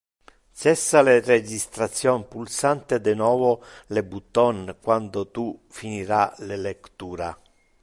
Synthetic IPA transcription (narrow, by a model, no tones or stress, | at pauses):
sɛsːalered͡ʒist̪ɾat̪sːjɔnpulsant̪ed̪ɪnɔːvolebut̪ːɔnkwand̪ot̪ufiniɾalelekt̪uːɾa